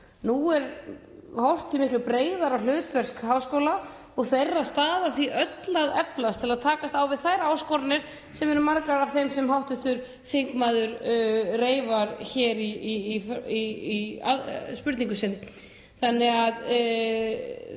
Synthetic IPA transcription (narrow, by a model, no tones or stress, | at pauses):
nuɛɾ | hɔwr̥t̪ʰɪmɪhklʏpɾeːjðaɾawl̥ʏːt̪vɛr̥skhawskowla | ɔɣθejrːaðst̪aːðaθiʔœt̪laðɛplast̪ʰɪlaðt̪ʰaːkast̪awvɪðθajɾaaːwskɔɾnɪɾ̥ | sɛmɛɾʏmaɾkaɾav̥θejmsɛmɦawht̪ʏθʏɾ̥ | θɪŋkmaðʏɾreːjvaɾçɛːɾiːfia̰spʏɾt̪niŋkʏsɪn | θanːɛɣað